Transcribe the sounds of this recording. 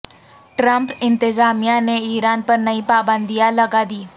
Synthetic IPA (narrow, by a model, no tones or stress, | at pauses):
ʈɾəmpɪ̃nt̪ɪzaːmijãneiːɾaːnpəɾnəiːpaːbə̃nd̪ijaləɡaːd̪iː